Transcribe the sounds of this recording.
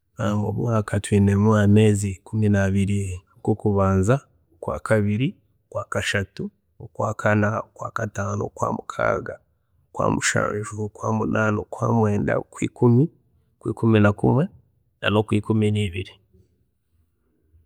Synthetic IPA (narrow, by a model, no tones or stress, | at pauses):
amɡo̰βwaːkatwiːnemuame̞ːzikuminaβiɾi | kokuβaːnza | kwa̰ːkaβiɾi | kwaːkaʃatu | kwaːkʰanaokwaːkataːno̰kwa̰ːmukʰa̰ːɡa | kwa̰ːmuʃa̰ːnʒukwaːmunʔaːnokwaːmwe̞ːnda̰kwḭːkumi | kwiːkuminakṵmwe̞ | na̰no̞kwiːkuminiːβiɾi